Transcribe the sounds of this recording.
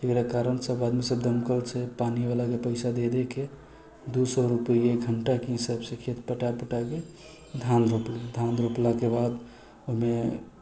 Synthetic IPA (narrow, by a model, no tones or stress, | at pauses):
t̪ikɾakaɾənsəbad̪misəbd̪ʱəmkəlt͡ʃʰepanibalakepəɪsad̪ed̪eke | d̪usɔɾupəjekɡʱəɳʈakisəbsəkʰet̪pəʈapəʈake | d̪ʱãnd̪ɾopled̪ʱãnd̪ɾoplakebad̪ | oɦme